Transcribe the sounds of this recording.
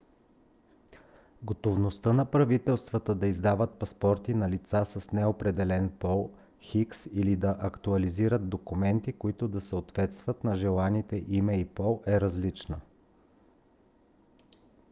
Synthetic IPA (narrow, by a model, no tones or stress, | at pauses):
ɡot̪ovnost̪ɤnɐpɾɐvit̪ɛlˠst̪vət̪əd̪ɐizd̪avət̪̚pɐspɔɾt̪inɐlit̪sasəsnɛopɾɛd̪ɛlɛnpɔlˠ | xiksilid̪ɐʔɐkt̪uɐliziɾət̪̚d̪okʊmɛnt̪ikoit̪ʊd̪ɐsəot̪vɛt̪st̪vət̪nɐʒɛlˠanit̪ɛʔimɛipɔlˠʔɛɾɐzlit͡ʃnə